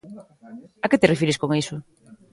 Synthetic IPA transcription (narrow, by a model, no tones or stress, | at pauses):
aket̪erefiɾɪskoŋisʊ